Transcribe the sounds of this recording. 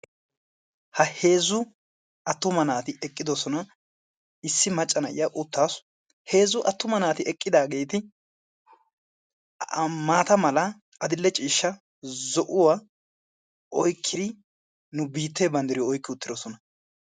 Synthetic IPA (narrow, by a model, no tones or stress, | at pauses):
hɐhe̞ːzʊ | ɐt̪ːʊmɐnaːt̪ɪɛkʼːɪd̪ɔsɔnɐ | ɪsːɪmɐt͡ʃʼːɐnɐʔɪ̰jaʔʊt̪ːaːs | he̞ːzʊʔɐt̪ːʊmɐnaːt̪ɪɛkʼːɪd̪aːɡe̞ːt̪ɪ | maːt̪ɐmɐlɐ | ʔɐd̪ɪlːɛt͡ʃʼiːʃːɐ | zɔʔʊwa | ɔjkʰːɪd̪ɪ | nʊbiːt̪ːeːbɐnd̪ɛɾɪjɔɔjkːɪʊt̪ːɪd̪ɔsɔnɐ